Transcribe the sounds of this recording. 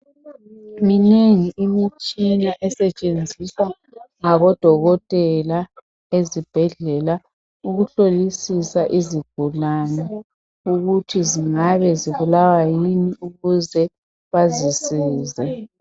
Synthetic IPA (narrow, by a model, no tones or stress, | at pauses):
mineŋiʔimit͡ʃʼinaʔɛsɛt͡ʃʼend͡zʱiswa | ŋaβɔd̥ʱɔɣɔtʼɛla | ezib̥ʱɛɮɛla | uɣuɬolisisaʔiziɡ̥ʱulanɛ | uɣutʰiziŋaβɛziβulawajiniuɣuzɛ | βazisiːzɛ